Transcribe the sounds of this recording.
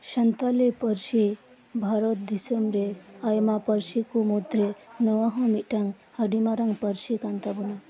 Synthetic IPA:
ʃɐnt̪alepəɾʃi | bʱaɾɔt̪̚d̪isəmɾeajmapəɾsikumud̪ɾenəwãɦõmiʈaŋ | həɖimaɾaŋɡpəɾsikant̪abuna

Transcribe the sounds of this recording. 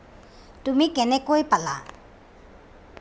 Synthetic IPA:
tumikɛnɛkojpala̰

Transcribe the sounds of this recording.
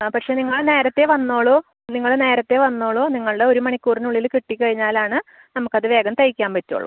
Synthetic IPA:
pɐkʂe̞niŋːɐɭne̞ːɾɐt̪ːe̞ʋɐnːo̞ːɭoː | niŋːɐɭne̞ːɾɐt̪ːe̞ʋɐnːo̞ːɭoːniŋːɐɭɨɽe̞o̞ɾumɐɳikʲːuːrinuɭːilkiʈːikʲːɐɻiɲːaːlaːɳɨ | nɐmukːɐðɨʋe̞ːɡɐmt̪ɐjikʲːaːmpɐtːo̰ːɭːṵ

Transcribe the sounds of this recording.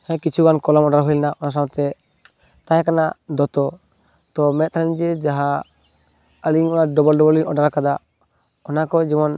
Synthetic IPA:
hɛ̃kit͡ʃʰuɡankɔlɔmɔɖaɾɦujlɛnaʔɔnas̬ãt̪ɛ | t̪ajɛkana̰d̪ɔt̪ɔ | t̪ɔmɛt̪̚t̪ʰand͡ʒɛd͡ʒaɦa | əliŋɔnaɖɔbɔlɖɔbɔliŋɔɖaɾkad̪a | ɔnakɔd͡ʒimɔn

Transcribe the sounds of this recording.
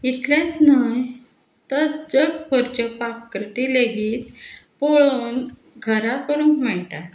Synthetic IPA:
it̪lat͡snaj | t̪əɾd͡zəɡpoɾt͡ɕapakːɾət̪ileɡiːt̪poɭoːn | ɡʱəɾakəɾũːnkmaɳt̪a

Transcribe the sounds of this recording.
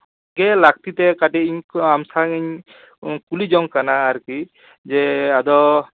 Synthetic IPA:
ɡɛlak̚t̪it̪ɛkaʈɛiɲamsaŋiɲ | kulid͡ʒɔŋkanaːɾki | d͡ʒɛad̪ɔ

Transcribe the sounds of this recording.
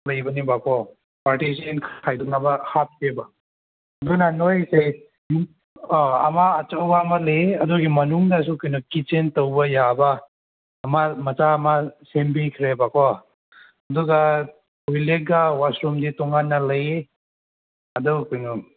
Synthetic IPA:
lɐjbɐnibakʰɔ | paɾtis̬enkʰajdɔk̚nabɐhap̚keba | ɐdɔnanojse | ɐ̰maːt͡ʃawɡaːmalejeɐduɡimɐnuŋdas̬ukujnukit͡ʃentɐwbɐjabɐː | mamɐt͡ʃaːmasembikʰɾebakʰɔ | ɐduɡa | kujlek̚ɡawasɾumditɔŋanːɐlɐje | ɐdɔkujnu

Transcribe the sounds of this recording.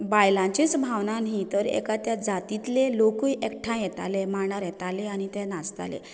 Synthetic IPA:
bajlãt͡ɕet͡sbʱawnanɦit̪əɾḛkat̪jad͡zat̪it̪lelokujʔɛkʈʰãjɛt̪a̰lemaɳaɾjɛt̪aleañit̪ɛnast̪a̰lḛ

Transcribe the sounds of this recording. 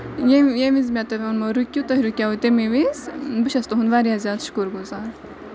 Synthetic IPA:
jejemizmʲat̪ɐʋʲɐnmɐɾukʲːut̪ɐɦɾukʲaut̪ʲemiʋizbɨʃɐst̪uɦund̪ʋaːɾijazjad̪ʃu̥kuɾɡuzaːɾ

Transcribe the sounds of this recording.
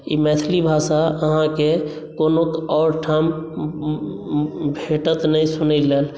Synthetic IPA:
ḭmɛt̪ʰlibʱasaəɦãke | konokɔːɾʈʰam | bʱeʈət̪nəĩsʊnəleːl

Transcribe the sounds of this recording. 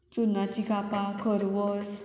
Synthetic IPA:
t͡sunat͡ɕikapakʰɔɾʋɔs

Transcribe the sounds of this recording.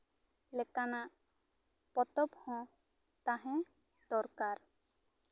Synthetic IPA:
lɛkanaʔ | pɔt̪ɔphɔ̃ | t̪aɦɛ̃ | d̪̥ɔɾkaɾ

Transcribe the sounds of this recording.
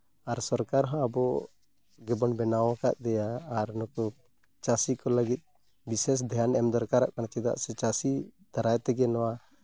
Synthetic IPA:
aɾsɔɾkaɾɦɔ̃abɔ | ɡɛbɔnbɛnawãkaʔ̪̚d̪ɛjaːɾnɔkɔ | t͡ʃasikɔlaɡit̪̚ˀ | bisɛs̬d̪ʱɛjanɛmd̪ɔɾkaɾaʔkant͡ʃɛd̪a̰ʔsɛt͡ʃasid̪̥aɾajt̪ɛɡɛnɔwa

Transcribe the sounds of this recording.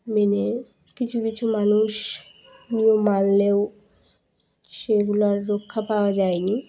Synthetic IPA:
mene | kit͡ɕʰukit͡ɕʰumanuʃ | nijomːalleo | ʃeɡulaɾːokʰːapaoad͡ʑajni

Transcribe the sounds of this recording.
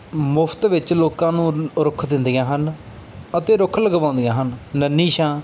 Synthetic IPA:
mʊpʰt̪ʋɪt͡ʃloːkãːnũːɾʊkʰd̪ɪnd̪ɪjãːɦən | ət̪ẽːɾʊkʰləɡbãːʊ̃nd̪ijãːɦənnənːiːʃãː

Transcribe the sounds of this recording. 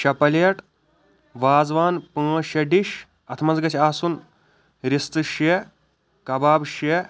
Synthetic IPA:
ʃɐpɐlɐʈ | ʋaːzʋaːnpə̃ːʃɐɖiʃ | ɐt̪ʰmɐnzɡɐt͡ʃʰʲaːsun | ɾist̪ɨʃe | kɐbaːbʃe

